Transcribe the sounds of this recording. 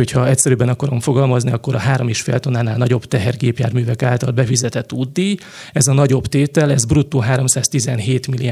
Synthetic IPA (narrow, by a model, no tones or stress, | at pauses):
ocʰhɒɛcʲsɛɾyːbɛnɒkɒɾo̞mfo̞ɡɒlmɒzniɒkːo̞ɾɒɦaːɾo̞meːʃfḛːlt̪onaːnaːlnɒɟo̞bt̪ɛɦɛrɡeːpja̰ːrmyːvɛkaːlt̪ɒlbɛfizɛt̪ɛt̪ːud̪ːi | ɛzɒnɒɟo̞bt̪eːt̪ɛlɛzbrut̪ːoːɦaːɾo̞msaːst̪izɛnɦeːt̪mili